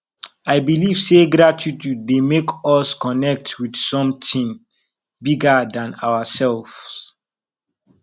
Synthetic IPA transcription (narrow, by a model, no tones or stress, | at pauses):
aɪbiliv̥seɡɾatʰitidemekʰɔskɔnɛk̚twidsɔ̃mtĩŋ | biɡadãna̰wasɛlvs